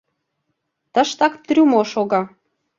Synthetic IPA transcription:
t̪əʃt̪ɑkt̪rʲumoʃoɣɑ

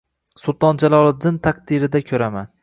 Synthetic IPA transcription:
sʊlˠt̪ɒnd͡ʒalˠɒlˠɪd̪ɪnt̪ʰaq̚d̪ɪɾɪd̪akʲʰɵɾaman

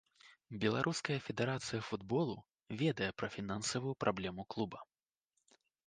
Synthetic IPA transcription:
bʲɛlˠaɾʔuskɐjɐfʲɛd̪ɛɾat̪sɨjɐfud̪bɔlˠu | vʲɛd̪ɐjɛpɾɐfʲinansɐvujupɾʔablʲɛmuklˠubɐ

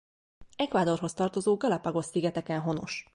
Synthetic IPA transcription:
ɛkʋaːd̪o̞rɦo̞st̪ɒrt̪o̞zoːɡɒlɒpɒɡo̞sːiɡɛt̪ɛkɛnɦo̞no̞̰ʃ

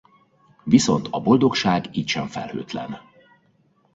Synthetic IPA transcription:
viso̞̰nt̪ɒbo̞ld̪o̞kʃaːɡiːcʃɛɱfɛ̰lhø̰ːt̪lɛ̰n

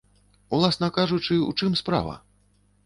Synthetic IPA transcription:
ulˠasnɐkaʐut͡ʂɨṵt͡ʂɨmspɾa̰vɐ̰

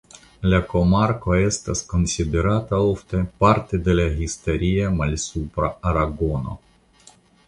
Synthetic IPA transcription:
lʲakomarkoajest̪askonsʲid̪eɾat̪aoft̪epart̪ed̪elʲaɦist̪eɾʲijemalʲsupɾaːɾaɡono̰

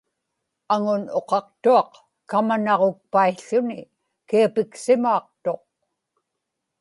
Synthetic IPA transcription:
aŋʊno̞qɑq̚t̪uɑq | kamanɑʁok̚paiɬʊnɪ | kiapɪksɪmuːq̚t̪o̞q̚

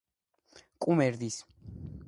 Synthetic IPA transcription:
kʼumɛɾd̪is

